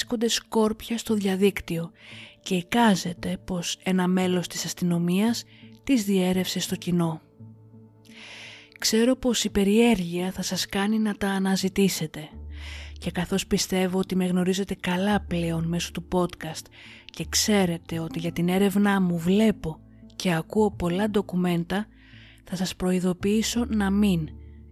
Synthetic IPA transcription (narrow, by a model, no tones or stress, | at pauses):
sko̞nd̪e̞sko̞ɾpçɐst̪o̞ðʝɐðikt̪io̞ce̞ikɐze̞t̪e̞po̞se̞nɐme̞lo̞st̪i̥sɐst̪ino̞miɐst̪izðie̞ɾe̞fse̞st̪o̞cino̞ | kse̞ɾo̞po̞sipe̞ɾie̞ɾʝiɐθɐsɐskɐninɐt̪ɐːnɐzit̪ise̞t̪e̞ | ce̞kɐθo̞spist̪e̞vo̞ot̪ime̞ɣno̞ɾize̞t̪e̞kɐlɐple̞o̞nme̞so̥t̪upo̞t̪kɐst̪ | ce̞kse̞ɾe̞t̪e̞o̞t̪iʝɐt̪ine̞ɾe̞vnɐmuvle̞po̞ | ce̞ɐkuo̞po̞lɐd̪o̞kume̞nt̪ɐ | θɐsɐspɾo̞iðo̞piiso̞nɐmin